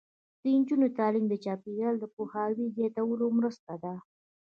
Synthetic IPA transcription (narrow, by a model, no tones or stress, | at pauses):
d̪̥əɪɲd͡ʒunot̪ɑlimd̪ət͡ʃɑpiɣald̪əpohɑwizet̪awəlomɾəst̪ad̪a